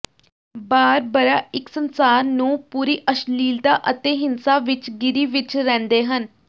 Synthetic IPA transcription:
baːɾbəɾaːɪksənsaːɾnũːpuːɾiːʔəʃliːld̪aːʔət̪eːɦɪnsaːʋɪt͡ʃɡɪɾiːʋɪt͡ʃɾɛ̃ːnd̪eːɦən

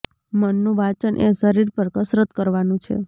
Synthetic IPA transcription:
mənːũʋat͡ʃənʔḛsəɾiɾpəɾkəsɾət̪kəɾʋanũt͡ʃʰḛ

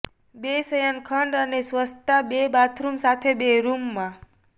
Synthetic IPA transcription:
besəjənkʰəɳɖənesʋəst̪abebat̪ʰɾumsat̪ʰebeɾumːã

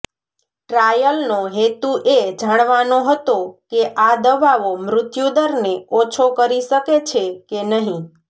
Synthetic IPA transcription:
ʈɾajəlnoɦet̪uʔed͡ʒaɽ̃ʋanoɦət̪okeʔad̪əbaʋomɾʊt̪jud̪əɾneot͡ʃʰokəɾiʃəket͡ʃʰekenəɦĩ

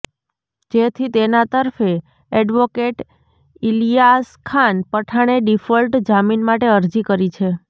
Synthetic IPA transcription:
d͡ʒet̪ʰit̪enat̪əɾfe | ɛɖʋokeʈ | ilijaskʰanpəʈʰaɽ̃eɖifəlʈd͡ʒaminmaʈeəɾd͡ʒikəɾit͡ʃʰe

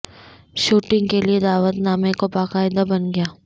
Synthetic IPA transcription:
ʃuːʈɪ̃ŋɡkelied̪aːʋət̪naːmekobaːqaːɪd̪abɐnɡɐjaː

